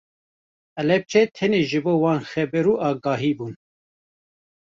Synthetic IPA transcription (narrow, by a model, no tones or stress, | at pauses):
ɛlɛp̚t͡ʃʰɛt̪ʰɛneːʒɨboːwɑːnxɛbɛɾuːʔɑːɡɑːɦiːbuːn